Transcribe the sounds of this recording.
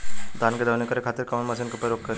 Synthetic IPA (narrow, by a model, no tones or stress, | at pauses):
d̪aːnked̪ɐʋnikɐɾekʰaːt̪ɪɾkɐmənmɐsiːnkɐpɾɐɾoːk̚kɐɾ